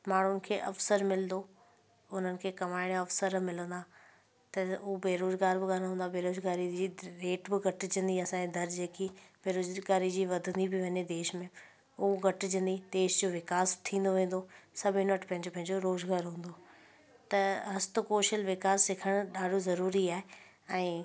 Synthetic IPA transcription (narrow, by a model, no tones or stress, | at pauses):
maːɳ̤ʊnɪ̆kʰeːʔɐfsəɾmɪlnd̪o | ʊn̤ənɪ̆kʰeːkɐmaːɪɽ̃ɐfsəɾmɪlə̃nd̪aː | t̪ɐʊbeːɾoːzɡaːɾbɪɡaːɾɦũːnd̪abeːɾoːzɡaːɾid͡ʑiːɾeːʈbɪɡɐʈɪd͡ʑə̃nd̪iɐsãːed̪ɐɾd͡ʑeːkibeːɾoːzɡaːɾid͡ʑiːʋɐd̪ʱə̃nd̪ibɪʋɐɲed̪eːʃmẽ | uɡɐʈd͡ʑə̃nd̪id̪eːʃd͡ʑoːʋɪkaːst̪ʰĩːnd̪oʋẽːn̆d̪osɐbʱɪnəʈʰpɐ̃ɦɪ̃ɲd͡ʑopɐɦɪ̃ɲd͡ʑoɾoːzɡaːɾɦũːn̆d̪o | t̪ɐɦɐst̪ʊkoːʃəlʋɪkaːsːɪkʰəɽ̃ɗaːɖʱozɐɾuːɾiaːɦe | ɛ̃ː